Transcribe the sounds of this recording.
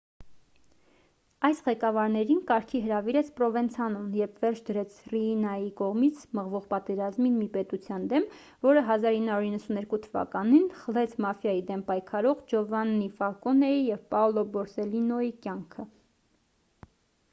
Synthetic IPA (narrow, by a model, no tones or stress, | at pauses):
ɑjsʁɛkɑvɑɾnɛɾinkɑɾkʰiɦəɾɑviɾɛt͡sʰpɾɔvɛnt͡sʰɑnunjɛɾpʰvɛɾt͡ʃʰd̪əɾɛt͡sʰriːnɑjikɔʁmit͡sʰməʁvɔʁpɑt̪ɛɾɑzminmipɛt̪ut͡sʰjɑnd̪ɛm | vɔɾəɦɑzɑɾinːhɑɾuɾinːəsunɛɾkut̪ʰəvɑ̰kɑninχəlɛt͡sʰmɑfjɑjid̪ɛmpɑjkʰɑɾɔʁd͡ʒɔvɑnːifɑɾkɔnɛjijɛvpɑlɔbɔɾsɛlinɔikʲjɑŋkʰə